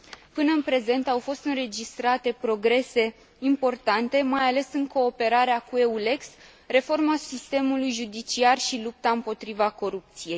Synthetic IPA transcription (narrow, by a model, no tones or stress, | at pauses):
pɨnəɨnpɾe̞ze̞nt̪awfo̞st̪ɨnre̞d͡ʒist̪ɾat̪e̞pɾo̞ɡɾe̞se̞ | impo̞rt̪ant̪e̞majale̞sɨŋko̞ːpe̞ɾaɾeakue̞ule̞ks | re̞fo̞rmasist̪e̞mulujʒud̪it͡ʃiarʃilup̚t̪aɨmpo̞t̪ɾivako̞ɾup̚t̪sije̞j